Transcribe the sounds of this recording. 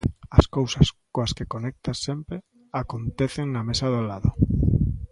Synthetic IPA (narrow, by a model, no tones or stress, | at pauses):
askowsaskoaskekonek̚t̪asempɾe | akont̪eθeŋnamesaðolaðo